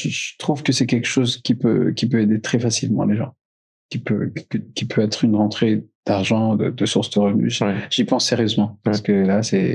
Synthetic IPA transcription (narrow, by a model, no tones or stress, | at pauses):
ʒət̪χuvkəsɛkʲɛlkə̥ʃozkʲipø̰kʲipøed̪et̪χɛfasilmɑ̰̃leʒɑ̰̃ | kʲipø̰kəkʲipʰøɛt̪χynʁɑ̃t̪χed̪̥aʁʒɑ̃d̪ə̰d̪əsuʁsd̪əʁəvny̰ʒʒ̥ipɑ̃sːeʁjøzmɑ̃paʁsə̥kəlasɛ